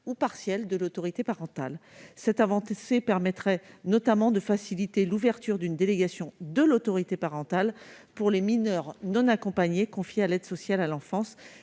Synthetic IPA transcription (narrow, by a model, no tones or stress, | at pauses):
upaʁsjɛld̪əlot̪ɔʁit̪epaʁɑ̃t̪alsɛt̪avɑ̃sepɛʁmɛt̪χɛnɔt̪amɑ̃d̪əfasilit̪eluvɛʁt̪yʁd̪ynd̪eleɡasjɔ̃d̪əlot̪ɔʁit̪epaʁɑ̃t̪al | puʁleminœʁnɔ̃nakɔ̃paɲekɔ̃fjealɛd̪sɔsjalalɑ̃fɑ̃s